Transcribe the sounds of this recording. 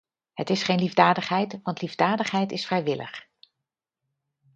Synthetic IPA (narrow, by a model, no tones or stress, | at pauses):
ɦətɪsχejnlivdaːdəχɦɛjtʋɑntlivdaːdəχɦɛjtɪsfrɛjʋɪlə̰χ